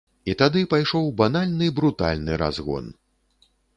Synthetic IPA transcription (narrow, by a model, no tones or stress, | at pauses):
it̪ad̪ɨpajʂɔwbanalʲnɨbɾut̪a̰lʲnɨɾa̰zɣɔ̰n